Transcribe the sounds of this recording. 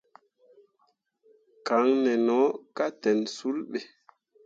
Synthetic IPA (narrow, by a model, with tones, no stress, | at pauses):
ka˨˦ŋnɛ˨nɔ˨˦ka˦tɛ˨nsu˦lɓe˨